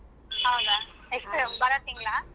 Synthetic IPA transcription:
aʊɡa | ɛksʈɾeːmpɐɾaːt̪ːiːŋɡɐɭaː

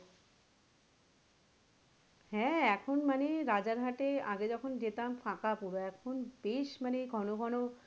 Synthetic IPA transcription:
hɛ̃ɛkʰonmaneɾad͡ʑaɾɦaʈea̰ɡed͡ʑɔkʰond͡ʑet̪amfãkapuɾoɛkʰonbeʃmaneɡʱɔnoɡʱɔno

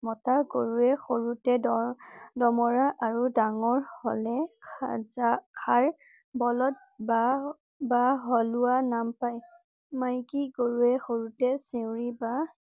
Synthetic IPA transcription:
mɔtaɡoɹuɛxoɹutɛɔdɔmɔɹaʔaɹudaŋɔɹhɔlɛaakʰaɹ | bɔlɔt̚ba | baɦɔluwanampaj | majkiɡoɹuɛxoɹutɛsewɹiba

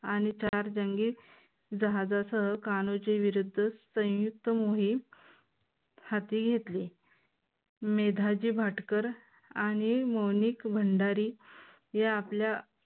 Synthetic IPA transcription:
añit͡ɕaɾd͡ʑəŋɡiː | d͡zəɦad͡zasəɦəkañot͡ɕeʋiɾud̪ʱːəsə̃w̃juk̚t̪əmoɦi | hat̪iːɡʱet̪liː | med̪ʱad͡ʑiːbʱaʈkəɾ | añimownikbʱəɳɖaɾiː | jaːplja

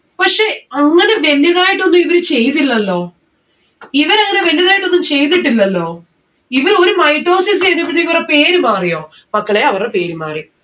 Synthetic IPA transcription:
pɐkʂe̞ɐŋːɐne̞ʋe̞lːjɐðaːjiʈːo̞nːumiʋɐɾɨt͡ɕe̞jt̪ilːɐlːo̞ː | iʋɐɾɐŋːɐne̞ʋɐljɐðaːjiʈːonːumt͡ɕe̞jt̪iʈːilːɐlːo̞ː | iʋɐro̞ɾumɐjʈro̞ːsis̬eːnːip̬ːɐt̪ːikːurɐpeːɾumaːrijo̞ː | mɐkːɐɭeɐʋɐrepe̞ːɾumaːrij

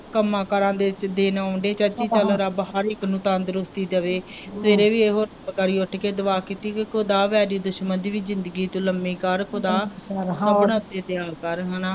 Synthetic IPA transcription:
kəmãːkəɾãːd̪eːd̪eːnaːʊɳɖeːt͡ʃət͡ʃiːt͡ʃələɾəbɦəɾɪknũːt̪ãːnd̪əɾʊst̪iːd̪əʋeːsəʋeːɾeːʋiːeːɦoːɾ | kəɾiːʊʈʰkeːd̪əʋaːkiːt̪iːkkʊd̪aːʋɛːɾiːd̪ʊʃmənd̪iːʋiːzɪnd̪əɡiːt̪õːləmːiːkəɾkʰʊd̪aːaːpɳaʊt̪eːt̪ɪjaːkəɾɦənaː

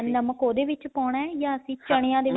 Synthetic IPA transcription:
nəməkoːd̪eːʋɪt͡ʃpɔːɳɛ̃ːjãːəsĩːt͡ʃəɽ̃ejãːd̪eː

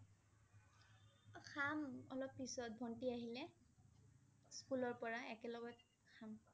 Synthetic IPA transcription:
xʰamɔlɔpːisɔt̚bʱɔntiaɦilɛ | skulɔɹpɔɹaɛkɛlɔɡɔt | xʰam

